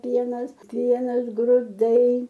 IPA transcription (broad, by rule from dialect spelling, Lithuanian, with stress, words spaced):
ˈpʲiɛnɐs ˈpʲiɛnɐs ɡrʊˈdɐɪ